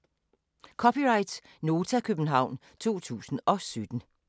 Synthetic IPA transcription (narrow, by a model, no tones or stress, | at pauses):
kʰɒ̽pʰiʁɑ̈ɪd̥ | no̝ːt͡sʰækʰøb̥n̩ɦɑ̈ʊ̰n | t͡sʰo̝̰ːt͡sʰṵːsn̩ɒ̽sød̥n̩